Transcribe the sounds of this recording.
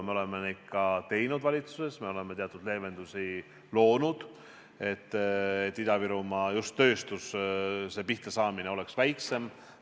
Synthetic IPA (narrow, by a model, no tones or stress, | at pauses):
me̞le̞meni̥kːɑt̪e̞jnud̪vɑlʲit̪su̥se̞sme̞o̞lemeeɑt̪ud̪̥le̞ːve̞nd̪̥usi | lo̞ːnud̪̥ | e̞t̪ːet̪ːid̪̥ɑviɾumɑjust̪ːø̞ːst̪usse̞ːpiht̪ɑsɑːmine̞o̞le̞ksvæjkse̞m